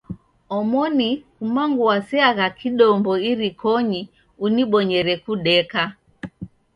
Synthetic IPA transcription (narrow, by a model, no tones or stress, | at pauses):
ɔmɔnikumaŋɡuwasiaɣakiɗɔmbɔiɾikʰɔɲi | uniɓɔɲɛɾɛkuɗɛka